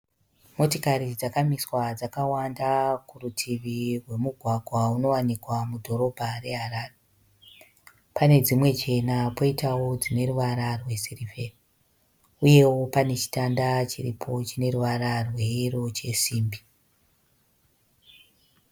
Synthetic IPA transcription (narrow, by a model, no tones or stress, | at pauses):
mo̞tokaɾid͡zakamiswad͡zakawandakurutʰiʋirwe̞muɡʱwaɡʱwauno̞wanikwamudʱo̞ɾo̞bʱare̞ɦaɾaːre | pane̞d͡zimwe̞t͡ʃe̞napoitawo̞d͡zine̞ruʋaɾarwe̞sirife̞ri | uje̞wo̞pane̞t͡ʃi̥tandat͡ʃirḭpʰo̞t͡ʃine̞ruʋaɾarwe̞iro̞t͡ʃe̞siːmbi̥